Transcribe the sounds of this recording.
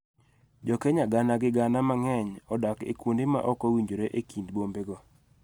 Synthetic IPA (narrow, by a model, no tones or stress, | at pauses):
d͡ʒɔkɛɲaɡanaɡɪɡanamaŋɛɲɔdakḛkundɪma̰ʔɔkɔwiɲd͡ʒoɾeʔekindbombeɡɔ